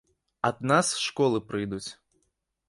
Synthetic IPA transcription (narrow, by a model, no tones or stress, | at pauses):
ɐd̪nasʂkɔlˠɨpɾɨjd̪ut͡sʲ